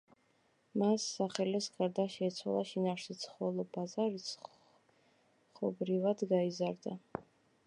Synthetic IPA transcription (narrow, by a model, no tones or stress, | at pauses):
masːaχɛlɛsɡaɾd̪aʃɛːt̪sʰwa̰lˠaʃinafɾsit̪sʰχɔlˠɔbazaɾis | χɔbɾivad̪ɡaizaɾd̪a